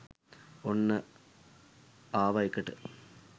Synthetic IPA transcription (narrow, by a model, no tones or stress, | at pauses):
onːɨ | aːʋɐjikːɐʈːɨ̰